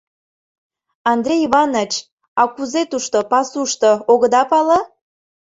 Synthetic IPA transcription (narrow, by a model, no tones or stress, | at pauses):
ɑnd̪ɾʲejiβɑnot͡ɕ | ɑkuzet̪uʃt̪opɑsuʃt̪ooɣə̆d̪ɑpɑlə